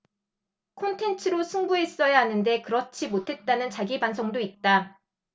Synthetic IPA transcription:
kʰontʰe̞nt͡ɕʰɯɾosʰuŋbue̞s͈ʌjaɦanɯnde̞kɯɾʌt͡ɕʰimotʰe̞t̚t͈anɯnt͡ɕaɡibansʰʌŋdoit̚t͈a

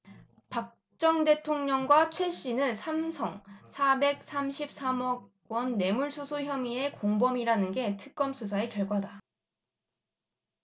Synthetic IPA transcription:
pak̚ | t͡ɕ͈ʌŋde̞tʰoŋɲʌŋɡwat͡ɕʰweɕ͈inɯnsʰamsʰʌŋsʰabe̞k̚s͈ʰamɕʰip̚s͈amʌɡ | wʌnːe̞muɭsʰusʰoçjʌmie̞koŋbʌmiɾanɯnɡe̞tʰɯk̚k͈ʌmsʰusʰaekjʌɭɡwaɦada

